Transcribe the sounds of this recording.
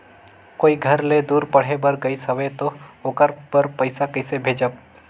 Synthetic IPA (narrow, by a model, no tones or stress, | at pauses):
koːiɡʱəɾled̪uːɾpəɽ̤ebəɾɡəisəʋet̪ooːkəɾpəɾpəɪsakəɪsebʱeːd͡ʒəb̚